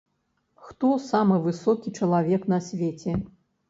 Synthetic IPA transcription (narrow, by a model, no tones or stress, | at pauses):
xt̪ɔsamɨvɨsɔkʲit͡ʂɐlˠavʲɛknɐsʲvʲɛt͡sʲɛ